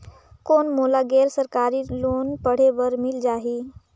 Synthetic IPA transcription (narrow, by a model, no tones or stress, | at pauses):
koːnmoːlaɡɛːɾsəɾkaːɾiloːnpəɽ̤eʋəɾmɪld͡ʒaːɦiː